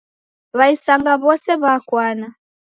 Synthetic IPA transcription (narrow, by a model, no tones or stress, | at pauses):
βaisaŋɡaβɔsɛβakwana